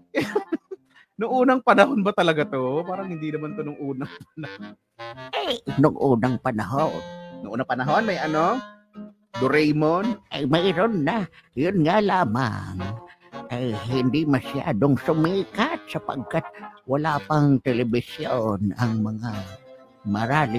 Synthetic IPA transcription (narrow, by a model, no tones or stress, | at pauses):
nʊŋuːnɐŋpɐnɐɦonbɐt̪ɐlɐɡat̪opaːɾɐŋhɪnd̪inɐmant̪onʊŋʔuːnɐŋp̚ɐnɐhon | nʔajnʊŋʔuːnaŋpɐnɐɦonnʊŋʔuːnapɐnɐɦonmɐjʔɐno | d̪ʊɾɛjmonʔɐjmɐɾonːajʊnŋalaːma̰ŋ | ʔɐjhɪnd̪imɐsja̰ːd̪oŋsʊmiːkat̪̚sɐpɐ̰ɡ̚kat̪̚wɐlaːpɐŋt̪ɛlɛbɪsjonɐŋmɐŋa | mɐɾaːlɪ